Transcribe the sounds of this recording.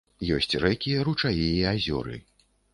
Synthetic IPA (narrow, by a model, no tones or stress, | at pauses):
jɔsʲt͡sʲrɛkʲijɐɾut͡ʂajijiazʲɔ̰ɾɨ̰